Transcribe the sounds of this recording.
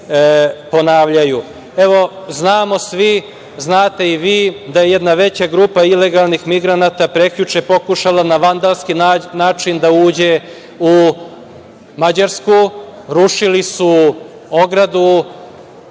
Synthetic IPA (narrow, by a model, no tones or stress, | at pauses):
po̞naːʋʎaju | e̞ʋo̞znaːmo̞sʋi | znaːt̪e̞iʋiːd̪aje̞jed̪naʋe̞t͡ɕaɡɾuːpaile̞ɡalˠnixmiɡɾanat̪apɾekʎut͡ʃepo̞kuʃalanaʋand̪alˠskinaːt͡ʃind̪auːd͡ʑe | u | mad͡ʑaɾskuɾuʃilisu | o̞ɡɾad̪u